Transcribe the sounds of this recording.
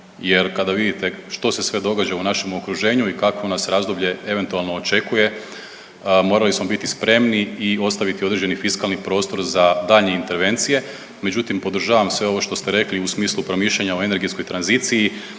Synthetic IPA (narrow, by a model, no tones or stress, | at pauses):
je̞ɾkad̪aʋid̪it̪e̞ʃt̪o̞se̞sʋe̞d̪o̞ɡad͡ʒaunaʃe̞mokɾuʒe̞ːɲuikakʋo̞nasɾaːzd̪obʎe̞e̞ʋe̞nt̪ualˠno̞ːt͡ʃe̞kuje̞ | mo̞ːɾalismo̞bit̪ispɾe̞mniio̞st̪aʋit̪io̞d̪ɾed͡ʑd͡ʒenifiskalˠnipɾo̞ːst̪o̞ɾzad̪aːʎɲe̞int̪e̞ɾʋe̞nt̪sije̞ | me̞d͡ʒut̪impo̞d̪ɾ̩ʒaːʋamsʋe̞o̞ʋo̞ʃt̪o̞st̪eɾe̞kliusmiːslˠupɾo̞miʃʎeɲaoe̞ne̞ɾɡesko̞jt̪ɾanzit̪siji